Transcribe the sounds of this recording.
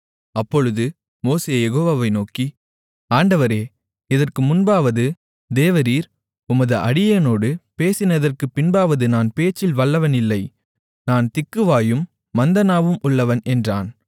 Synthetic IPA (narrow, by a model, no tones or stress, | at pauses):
ɐpːɔɻɯðɯ | moːseːjɛɣoːʋaːʋɐɪnoːki | aːɳɖɐʋɐɾeː | ɪðɐrkɯmʊnbaːʋɐðɯ | d̪eːʋɐɾiːɾ | ʊmɐðɯʔɐɽɪjɐnoːɽɯpeːsɪnɐðɐrkɯpːɪnbaːʋɐðɯnaːnpeːt͡ʃːɪlʋɐɭːɐʋɐnɪlːɐɪ | naːnt̪ɪkːɯʋaːjɯmː | ɐnd̪ɐnaːʋɯmʔʊɭːɐʋɐnɛndraːn